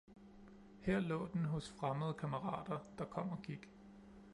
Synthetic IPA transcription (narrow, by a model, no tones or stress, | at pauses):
heɐ̰lɔ̰̽ːd̥enɦɔ̽sfʁaməð̞̩ˠəkʰæməʁɑ̰̈ːd̥ɐd̥ɑ̈kʰɒ̽m̰ɒkʰiɡ̥